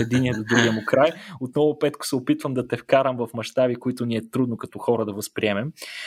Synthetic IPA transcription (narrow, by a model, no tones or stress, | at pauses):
ɛd̪iniɛd̪od̪ɾuɡiɛmʊkɾajot̪nɔvʊpɛt̪kʊ̥sɛopit̪vəmd̪ɐt̪ɛfkaɾəmvɐfmɐʃt̪abikoit̪ʊniɛt̪ɾud̪nokɐt̪ɔxɔɾəd̪ɐvɐspɾiɛmɛm